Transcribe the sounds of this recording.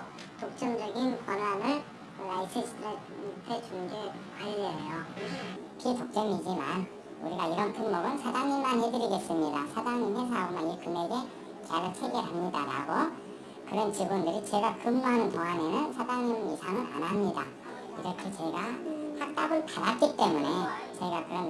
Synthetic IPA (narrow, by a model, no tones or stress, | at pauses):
tok̚t͡ɕ͈ʌmd͡ʑʌɡinkwanwanɯɭ | lais͈ʰɯɕʰie | pʰet͡ɕuŋɡekaejo | pitok̚t͡ɕ͈ʌŋid͡ʑima̰n | ṵɾiɡaiɾʌnpʰuŋmoɡɯnsʰadaŋɲinmːanhedɯɾiɡe̞s͈ɯmɲidasʰadaŋɲimhesʰaaɯmanikɯme̞ɡe̞ | t͡ɕaɾɯtʰeɡeɾɦamɲidaɾa̰ɡo | kɯɾʌnt͡ɕibundɯɾit͡ɕe̞ɡakɯmːanɯntoɦane̞nɯnsʰadaŋɲimisʰaŋɯna̰namɲida̰ | iɾʌkʰe̞t͡ɕe̞ɡahak̚t͈aɡɯɭpadat̚k͈it͈e̞mune̞t͡ɕʌiɡakɯɾʌn